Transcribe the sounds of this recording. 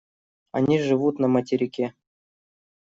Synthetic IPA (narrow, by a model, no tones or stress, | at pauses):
a̰nʲiʐɨvut̪nɐmɐtʲɪɾʲikʲe